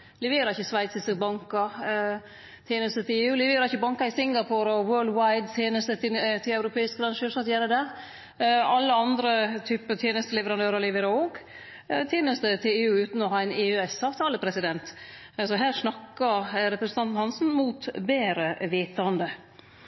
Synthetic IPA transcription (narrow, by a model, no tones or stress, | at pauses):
lɛʋeːɾɑɾɪçəsʋæɪt̪sɪsbɑŋkɑ | t̪ʰjeːnəst̪ət̪ʰɪleːʉːlɛʋeːɾɑɾɪçəbɑŋkɑɪsɪŋɡɑpʰoɾɔwɜːɭd̪waɪd̪t̪ʰjeːnəst̪ət̪t̪ʰɪlɑʉɾʊpʰeːɪsk̚ɡɾɑnʃəsɑt̪jæːɾəd̪æɾ | ɑlːəɑnd̪ɾət̪ʰyːpət̪ʰjeːnəst̪əlɛʋəɾɑnd̪øːɾɑɾlɛʋeːɾəoːɡ | t̪ʰjeːnəst̪ət̪ʰɪleːʉːʉːt̪nɔhɑɪneːʉːɛsɑːʋt̪ʰɑːləpʰɾɛsɪd̪ɛnt̪ | sɔɦæːɾʂnɑkːɑɾɾɛpɾəsn̩t̪ʰɑnt̪n̩hɑnsn̩muːt̪beːɾəʋeːt̪ɑnd̪ə